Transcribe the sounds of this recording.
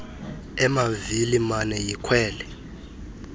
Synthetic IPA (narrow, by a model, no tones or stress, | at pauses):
ɛmavilimanɛjikʰwɛːlɛ